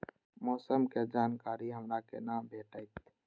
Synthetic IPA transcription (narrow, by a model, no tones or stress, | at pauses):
mɔːsəmked͡ʒaːnkaːɾiɦɐmɾakenaːmbʱeːʈəɪt̪